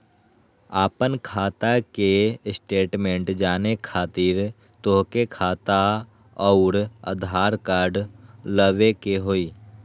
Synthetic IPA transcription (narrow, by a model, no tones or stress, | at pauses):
aːpənkʰaːt̪akesʈeːʈmẽɳʈd͡ʒaːnekʰaːt̪iːɾ | t̪oɦkekʰaːt̪a | ɔʊɾə̰d̪ʱaːɾkaːɾɖləʋekeɦoːiː